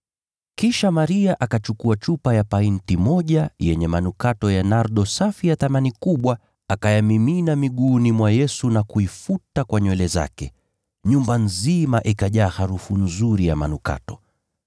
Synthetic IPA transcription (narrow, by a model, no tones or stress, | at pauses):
kiʃamaɾiaʔakat͡ʃukuat͡ʃupajapaintimɔʄajɛɲɛmanukatɔjanaɾɗɔsafijaθamanikuɓwa | akajamiminamiɠuːnimwajɛsunakuifutakwaɲwɛlɛza̰kɛ | ɲumbanzimaʔikaʄaːhaɾufunzuɾijama̰nuka̰tɔ̥